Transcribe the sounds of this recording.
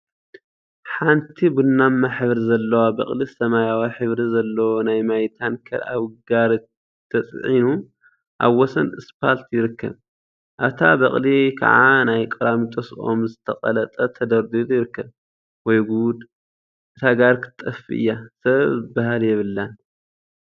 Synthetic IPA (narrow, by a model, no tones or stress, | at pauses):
ħant̪ʰibɨnːamːaħɨβɾizɐlːɐwabɐ̰χʼlisɐmajawaħɨβɾizɐlːɐwonajmajt̪ʰankʰɐ̰ɾa̰βɡaɾ | t̪ʰːɐt͡sʼʕinu | ʔa̰βwɔsɐnɨspʰalt̪ʰjɪɾɨkʰːɐ̰β | ʔaβt̪ʰa̰bɐχʼlikʰɐ̰ʕanajkʼɐɾamit̪ʼɐso̰mzɨt̪ʰɐqʼɐ̰lɐt̪ʼɐt̪ʰɐd̪ɐɾd̪ut̪ʼjɪɾɨkːɐβ | wɔjɡud̪ | ʔɨt̪ʰaɡaɾkʰɨ̥t̪ʼːɐfḭʔɨ̰jːasɐβzɨbːaɦaljɛβɨlːan